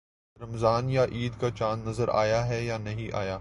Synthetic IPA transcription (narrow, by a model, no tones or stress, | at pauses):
ɾɐmzaːnjaʔiːd̪kat͡ʃaːnːɐzəɾa̰ːjaɦɛjanɐɦĩʔa̰ːjaː